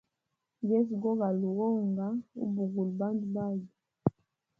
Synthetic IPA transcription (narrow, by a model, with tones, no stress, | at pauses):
d͡ʒɛ˦zɡɔ˦ɡa˨lu˨ɣɔ˦ŋɡa˦ṵ˦bu˨ɡu˨lba˦ndu˨ba˦˨d͡ʒi˨